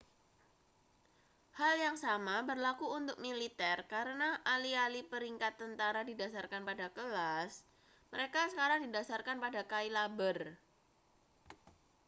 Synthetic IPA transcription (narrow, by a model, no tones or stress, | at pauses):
haljaŋsamabərlakuunt̪ʊk̚milit̪ɛrkaɾənaʔalialipəɾiŋkat̪ːənt̪aɾadidasarkanpadakəlas | məɾekasəkaɾaŋdidasarkanpadakailabər